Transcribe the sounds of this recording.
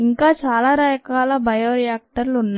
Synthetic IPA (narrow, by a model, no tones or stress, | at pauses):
iŋkaːt͡ʃaːlaːɾaːjɐkaːlaːbɐjoːɾijaːk̚ʈɐɾlunːaː